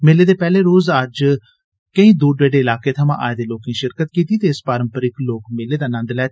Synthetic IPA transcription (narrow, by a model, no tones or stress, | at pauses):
meːleːd̪eːpɛːleːɾoːzəd͡ʒ | kəĩːd̪uːɖʋeːɖeːɪlaːkeːt̪ʰəmãːʔa̰ːed̪eːloːkĩːʃɪɾkət̪kiːt̪iːt̪eːɪspaːɾəmpəɾɪkloːkmeːleːd̪aːnə̃nd̪lɛː